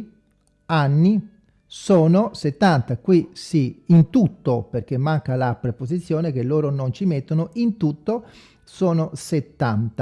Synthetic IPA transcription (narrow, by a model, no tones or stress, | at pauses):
anːi | soːnoset̪ːant̪akwisiːnt̪ut̪ːoperk̟emːaŋkalapɾepozit̪sːjoːnek̟elːoːɾonont͡ʃimet̪ːonoint̪ut̪ːo | soːnoset̪ːant̪a